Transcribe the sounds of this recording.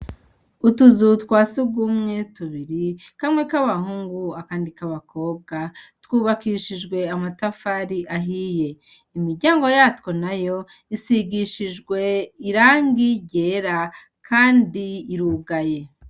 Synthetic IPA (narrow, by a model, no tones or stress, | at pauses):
utuzutkwaːsubɡumŋetuβiɾikamŋe̞kaβahuːŋɡuakaːndikaβako̞ːb̚ɡatwuːβakiʃiʒɡwe̞amatafaɾiʔaɦije̞ | imiɾɟaːŋɡo̞jatwo̞najo̞ | isiɡiʃiʒɡwe̞iɾaːŋɡiɟeɾa | kʰaːndiːɾuːɡaje̞